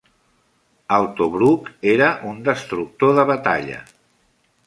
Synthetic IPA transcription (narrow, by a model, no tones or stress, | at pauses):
əwt̪oβɾukeɾəʔund̪əst̪ɾuk̚t̪oðəβət̪a̰ʎə̰